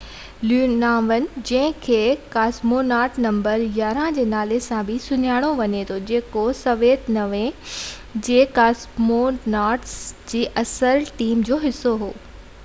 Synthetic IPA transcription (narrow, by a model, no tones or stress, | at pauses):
lunaːʋənɪ̆d͡ʑɐ̃ɦɪ̃kʰeːkaːsmonaːɾʈnɐ̃mbəɾjaːɾãd͡ʑeːnaːlesãbʱɪsʊɲaːɽ̃oʋɐɲet̪ʰod͡ʑeːkosɐʋeːt̪nɐʋẽ | d͡ʑeːkaːsmonaːɾʈsd͡ʑiːʔɐsəɾʈiːmd͡ʑoːɦɪsːoɦoː